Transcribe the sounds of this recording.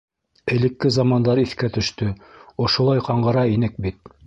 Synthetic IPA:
ɘ̆lɘ̆kːɘzɑmɑnd̪ɑɾiθkæt̪ɵ̆ʃt̪ɵŏʃŏlˠɑjqɑɴɢɤ̆ɾɑinɘk̚bit̪

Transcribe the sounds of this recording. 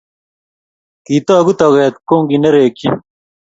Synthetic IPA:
kiːt̪aːɡut̪ɐɣeːt̪̚koːŋɡinɐɾeːki

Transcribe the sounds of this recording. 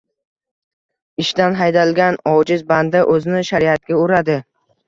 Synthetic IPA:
ɪʃt̪anɦajd̪alɡʲanɒwd͡ʒɪzband̪aʔɵzɪnɪʃaɾiat̪̚ɡʲaʊɾad̪ɪ

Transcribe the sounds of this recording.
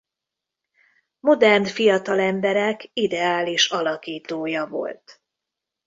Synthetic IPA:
mo̞d̪ɛrnfijɒt̪ɒlɛmbɛɾɛkid̪ɛaːliʃɒlɒkiːt̪oːjɒvo̞̰lt̪

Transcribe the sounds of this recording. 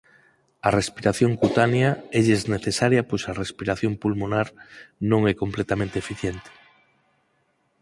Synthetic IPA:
arespiɾaθjõŋkut̪anjaeʎezneθesaɾjapojsarespiɾaθjompulmonaɾnõŋɛkomplet̪amẽnt̪eefiθjent̪e̥

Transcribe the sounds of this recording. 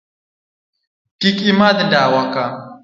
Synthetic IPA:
kikimad̪daːwaka

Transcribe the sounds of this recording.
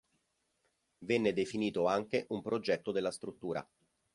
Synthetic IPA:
vɛnːed̪efiniːt̪oaŋkeʔumpɾod͡ʒɛt̪ːod̪elːast̪ɾut̪ːuːɾa̰

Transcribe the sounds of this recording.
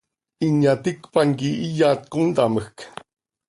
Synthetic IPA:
iɲat̪ikpaŋɡiʔijat̪̚kund̪aməxk

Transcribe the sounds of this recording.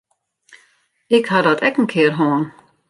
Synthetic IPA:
ɪkhadɔtʰɛkən̩kʰɪərɦoːn

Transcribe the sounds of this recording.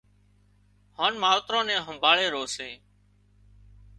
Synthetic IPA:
haːnmaːʋt̪ɾõːnɛ̃ːɦəmbʱaːɭeːɾoːseː

